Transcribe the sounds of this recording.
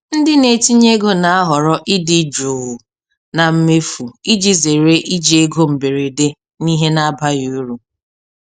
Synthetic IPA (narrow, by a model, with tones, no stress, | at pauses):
n̩˦dɪ˦ne˨ti˦ɲe˦ɡo˦na˨a˦ɦɔ˨ɾɔ˦ʔɪ˦dɪ˨˦d͡ʒu˨ | na˨m̩˦me˦fu˨i˦d͡ʒi˨ze˨ɾe˦ʔi˦d͡ʒi˦e˦ɡo˦m̩˨be˨ɾe˨de˦ | ni˦ɦe˦na˦ba˦ju˨u˦ɾu˨